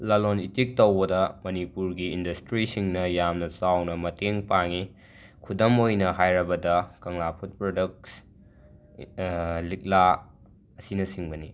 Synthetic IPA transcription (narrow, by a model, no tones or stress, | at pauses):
lɐlonitik̚towbɐdɐmɐnipuɾɡiːndɐstɾisiŋnɐjamnɐsawnɐmɐteŋpaŋi | kʰudɐmojnɐɦajɾɐbɐdɐkɐŋlapʰut̚pɾodɐk̚s | lik̚la | ɐsinɐsiŋbɐni